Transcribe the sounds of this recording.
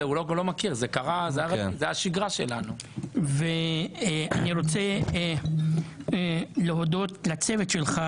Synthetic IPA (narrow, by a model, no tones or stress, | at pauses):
eulolomakiʁzekaʁazeaʁezeaʃiɡʁaʃḛla̰nu | ve | a̰niɾo̞t͡se | leɦo̞d̪o̞t̪lat͡se̞vet̪ʃe̞lχa